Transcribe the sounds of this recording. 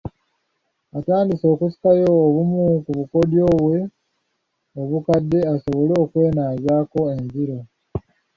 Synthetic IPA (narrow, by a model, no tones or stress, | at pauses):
ataːndiso̞ːkusi̥kajo̞ːβumukuβuko̞djo̞ːβwe̞ | oβukadːe̞aso̞βo̞lo̞ːkwe̞ːnaːzaːko̞e̞nziɾo̞